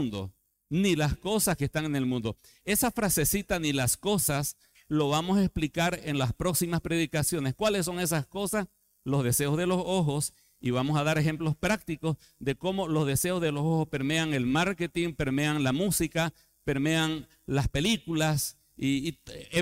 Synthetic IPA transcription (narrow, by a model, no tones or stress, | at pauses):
nd̪o̰ | nilasko̞saskest̪aŋene̞lmũnd̪o̞ | e̞safɾase̞sit̪anilasko̞sas | loβamosesplikaɾenlaspɾo̞ksimaspɾe̞ðikasjo̞neskwales̬ːo̞ŋe̞s̬asko̞sas | lo̞zðe̞se̞ozðe̞lo̞soxo̞s | iβamo̞saðaɾe̞xemplo̞spɾak̚t̪iko̞z | ðe̞ko̞mo̞lo̞zðe̞se̞o̞zðelosohospe̞ɾmeaŋe̞lmaɾket̪iŋpe̞ɾmeaŋlamusika | pe̞ɾmeaŋ | laspe̞likulas | iː